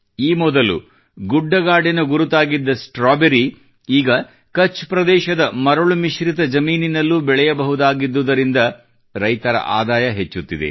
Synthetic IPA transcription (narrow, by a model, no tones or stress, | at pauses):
iːmɔd̪ɐlṵ | ɡuɖːɐɡaːɖinɐɡuɾut̪aːɡid̪ːɐsʈɾaːbeɾi | iːɡɐ | kɐt͡ʃːpɾɐd̪ɛːʃɐd̪ɐmɐɾɐɭumiʃɾit̪ɐd͡ʒɐmiːninɐlːubɛɭɛjɐbɐɦud̪aːɡid̪ːud̪ɐɾind̪ɐ | ɾɐjt̪ɐɾɐ̰ʔaːd̪aːjɐɦet͡ʃːut̪ːid̪ḛ